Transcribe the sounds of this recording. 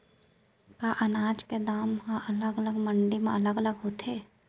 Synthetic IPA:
kaːʔɐnaːd͡ʒked̪aːmɦãʔələɡələɡməɳɖimẽɐləɡələɡɦoːt̪ʰeː

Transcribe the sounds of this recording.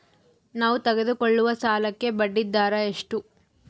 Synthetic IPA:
naːʋut̪ɐɡed̪ukoɭːuʋɐsaːlɐkːe̞bɐɖːid̪ːaːɾɐe̞ʂʈu

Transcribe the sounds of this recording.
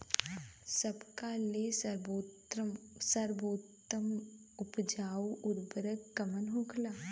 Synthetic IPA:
sɐbkalesəɾbotsəɾboːt̪əm | ʊpd͡ʒaːwʔʊɾbəɾəɡkɐmənɦõːkʰlaː

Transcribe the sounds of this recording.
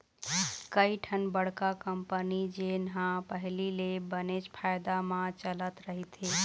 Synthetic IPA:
kəiʈʰənbəɽ̤kakəmpənid͡ʒenɦãpəɦlilebənet͡ʃpʰajd̪amãt͡ʃələt̪ɾəɦit̪e

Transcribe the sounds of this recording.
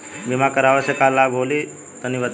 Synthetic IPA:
bimakəɾaʋəsekalːabʱɦoli | t̪əniʋət̪

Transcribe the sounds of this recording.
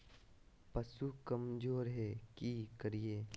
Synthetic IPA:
pɐsukɐmd͡ʒoːɾɦɛkikəɾieː

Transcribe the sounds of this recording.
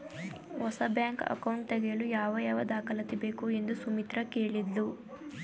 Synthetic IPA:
hɔsɐbjaːŋkɐ̰kɐwɳʈ̚t̪eɡejɭujaːʋɐjaːʋɐd̪aːkʰɐlɐt̪ibe̞ːkue̞nd̪usumit̪ɾɐkeːɭid̪lu

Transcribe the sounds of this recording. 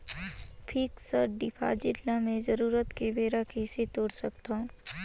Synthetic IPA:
pʰiːksəɾɖɪpʰa̰d͡ʒɪllamẽzəɾuːɾət̪kebeːɾakeːset̪oːɽsɐkt̪aɦũː

